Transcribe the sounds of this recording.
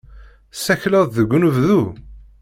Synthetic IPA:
sæçləðˤðəɡʷːunəvðu

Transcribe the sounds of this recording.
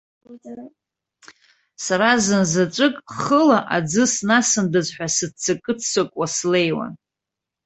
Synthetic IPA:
saɾazɨnzat͡ʃʷʼɨkʼχəlaʔad͡zɨsnasɨndɨzħʷᶣasɨd̚t͡sʰakʼɨt͡sʰsɨkʷʼwasle̞jwa̰n

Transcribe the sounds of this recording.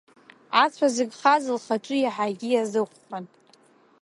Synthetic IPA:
at͡sʷʰazɨɡʲχazɨlχaʈ͡ʂʼɨjaħaɡʲijazɨχʷχan

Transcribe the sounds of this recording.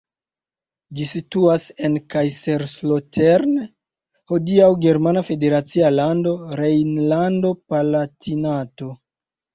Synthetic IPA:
d͡ʒisituase̞nkajseɾslotʰeɾn | hodiawɡe̞ɾmanafe̞de̞ɾat͡sialando̞ɾejnlando̞palatinato̞

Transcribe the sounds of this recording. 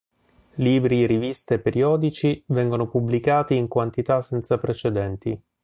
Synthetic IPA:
liːbɾiɾivist̪epːeɾʔiɔːd̪it͡ʃivɛŋɡonopubːlikaːt̪iːŋkwant̪it̪asːɛnt̪sapɾet͡ʃed̪ɛnt̪i

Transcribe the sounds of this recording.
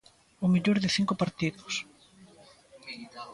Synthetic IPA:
ʊmiʎoɾðɪθiŋkʊpaɾt̪iðʊs

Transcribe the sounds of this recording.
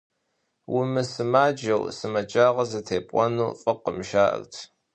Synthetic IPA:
wʔʊmɨsɨmaːd͡ʒɐwsɨmɐt͡ʃʼaːʁɐzɐtʰeːpʼɔnuːfʼɨqəmʃaːʔə̰rtʰ

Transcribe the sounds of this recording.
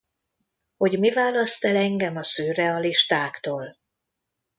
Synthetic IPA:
ho̞ɟmivaːlɒst̪ɛlɛŋɡɛmɒsøːrɛɒliʃt̪aːkt̪oːl

